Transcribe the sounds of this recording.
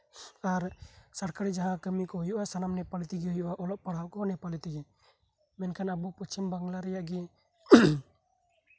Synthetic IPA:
aɾsaɾkaɾid͡ʒaɦãkəmikɔɦujɔʔasanamnɛpalɛt̪iɡɛɦujɔʔaʔɔlɔp̚paɽ̤awkɔnɛpalɛt̪iɡɛ | mɛnkʰanabupət͡ʃimbaŋɡlaɾɛjaʔɡɛ

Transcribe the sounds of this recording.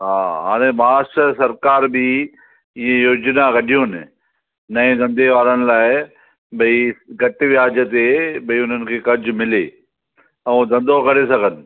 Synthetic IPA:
ɦaːɦaːɽ̃ẽmɐaːʃəsɐɾkaːɾbɪ | ɪ̃ɦẽjoːd͡ʑnaɡɐɗʱijonɪ | nɐẽɡ̪ɐ̃nd̪eʋaːɾəɽ̃ɪ̆laːɪ | ɓɐiɡɐʈʋijaːd͡ʑət̪eɓɐiʊn̤ənɪ̆kʰeːkɐd͡ʑʱʊ̆mɪleː | ɐ̃d̪ɐ̃nd̪ʱokɐɾesɐɡʱənɪ̆

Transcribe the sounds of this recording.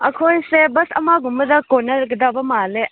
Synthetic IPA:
ɐkʰojsebɐsɐmaɡumbɐdɐkonɐɾɡədabɐmale

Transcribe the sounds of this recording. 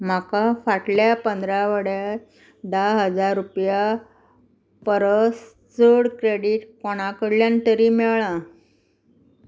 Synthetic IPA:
m̤akafaʈljapənd̪ɾaʋəɽja | d̪aɦəd͡zaɾːupja | pəɾəs | t͡səɽkɾeɽiːʈkɔɽ̃akəɽljant̪əɾiːmɛɭã

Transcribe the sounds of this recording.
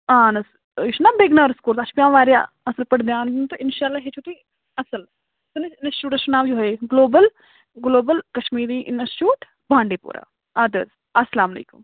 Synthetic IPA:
ãːnɐs | ʃnaːbeːɡnaɾskuːɾsaɐt͡ʃʰpijãːʋaːɾja̰ | ɐsəlpɐɽd̪jaːnd͡ʒint̪oʔɪnʃaːlːaːɦet͡ʃʰut̪i | ɐsəl | t̪ɐnɐnɐst͡ʃuːʈɐsʊnaːʋd͡ʒuɦeɡloːbəl | ɡloːbəlkɐʃmiːɾiːʔɪnɐst͡ʃuːʈ | bʱãːɳɖeːpṵːɾa̰ː | ad̪ə̰z | ɐsːɐlaːmɐlḛːkʊ̰m

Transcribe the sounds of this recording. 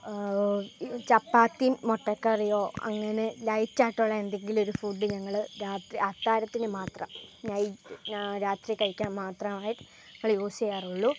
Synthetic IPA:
t͡ɕɐpːaːt̪ːimːoʈːɐkːɐɐrijoːɐ̰ŋːɐne̞lɐjtːaːjʈːuɭːɐe̞nd̪e̞ŋɡilo̞ɾufuːɖːɨɲɐŋːɐɭɾaːt̪riaːt̪ːaːɾɐt̪ːinɨmaːt̪rɐmɲɐj | ɾaːt̪rikɐɻikʲːaːnmaːt̪rɐmaːjiʈːɨ̥ | ɲɐŋːɐɭjoːsejaːruɭːu

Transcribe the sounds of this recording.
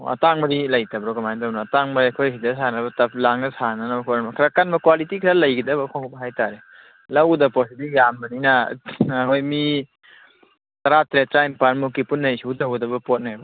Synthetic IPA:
ɐ̰taŋbɐɾilɐjtɐbɾɔɡɐmajndawnaːtaŋbɐɐkʰojɦidɐsanɐβɐtɐp̚ʰlaŋnɐsananɐbɐkʰoɾanmɐkʰɾakanbɐkwalitikʰɾalɐjɡidɐbɐkʰɔŋɡbɐɦajtaɾe | lɐwdɐpɔsilijambɐninɐkʰojmi | tɐɾatɾetɾajmpaɾmukːipunːɐjsiudɐwdɐbɐpɔt̚najbɐ

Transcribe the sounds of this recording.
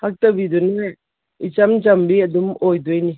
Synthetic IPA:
hak̚tɐbiduna | it͡ʃamd͡ʒɐmbiɐdumojdujni

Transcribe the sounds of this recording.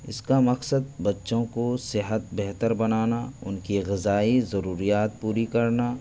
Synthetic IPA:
ɪ̰skamɐqsəd̪̚bɐtːʃõkosɪɦət̪̚bɛɦt̪əɾbɐnaːnaʊnkiɣɪzaːizɐɾuːɾijaːt̪̚puːɾikɐɾnaː

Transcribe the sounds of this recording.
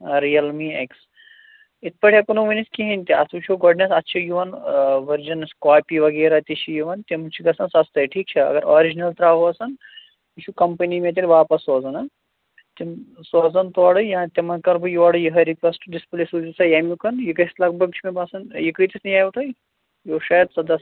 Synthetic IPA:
ɾijɐlmieks | it̪̚ʰpɐʈʰʲjɐkunuʋɐniskiɦɐnʲt̪iɐt̪ʰut͡ʃʰuɡuɖnesɐtːt͡ʃʰɐjuʋɐnʋɐɾd͡ʒɐnskaːpiʋɐɡeːɾat̪it͡ʃʰijuʋɐnt̪ʲimt͡ʃʰiɡɐsɐnsɐst̪ɐjʈʰiːk̚t͡ʃʰɐɐ̰ɡɐɾoːɾid͡ʒinɐlt̪ɾaːɦoɐsɐn | it͡ʃʰukɐmpɐnimet̪̬ʲilʲʋaːpɐsoːzɐnɐ | t̪ʲimsoːzɐnt̪uʋaɽɨjãːt̪ʲemɐnkɐɾbɨjiʋaɽɨjiɦɐɾikʋesʈɖisplisuzisɐjɐmʲukɐnjikɐslɐɡ̚bɐɡ̚t͡ʃʰimebasɐnjikəjt̪isnɐjaːjʋʈ̪ɐj | joːʃajɐd̪sɐd̪ɐs

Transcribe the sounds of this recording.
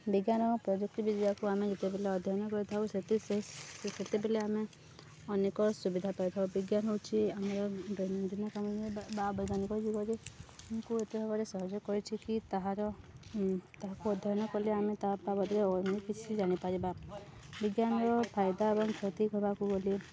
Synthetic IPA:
biɡjanɔpɾɔd͡ʒuk̚ʈɔbid̪iakuamed͡ʒet̪ebeleɔd̪ʱjɔɔnɔkɔɾit̪ʰauset̪iseɦiset̪ebeleame | ɔnekɔsubid̪ʱapaɾit̪ʰaubiɡjanɦowt͡ʃʰiamaɾɔbɔnd̪ʱinɔkamɔbabɔɡanikɔd͡ʒuɡɔd͡ʒemkuet̪eɦɔbɔɾesɔɦɔd͡ʒɔkɔɾit͡ʃʰikit̪aɦaɾɔ | t̪aɦakuɔd̪ʱjɔɔnɔkɔliamet̪apabɔd̪ɾeɔnekit͡ʃʰid͡ʒañipaɾiba | biɡjanɔɾɔpʰajd̪aebɔŋkʰɔt̪ikɔɦɔbakuɡole

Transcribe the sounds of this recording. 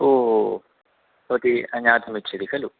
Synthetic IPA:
oːɦo | ot̪iɐɲaːt̪ʰɐmit͡ʃːɐd̪ikɐlu

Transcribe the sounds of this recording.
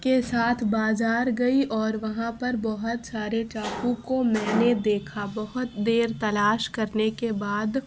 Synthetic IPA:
kesaːt̪ʰbaːzaːɾɡɐiʔɔːɾʋɐɦãpɐɾbɐɦʊt̪saːɾeʈaːkũkomɛ̃ːned̪eːkʰabɐɦʊt̪d̪eːɾt̪ɐlaːʃkɐɾnekebaːd̪

